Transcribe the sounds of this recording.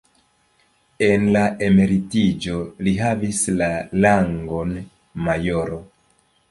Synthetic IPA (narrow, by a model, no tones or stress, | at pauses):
e̞nlae̞me̞ɾitid͡ʒo̞liɦavislalaŋɡo̞n | majo̞ɾo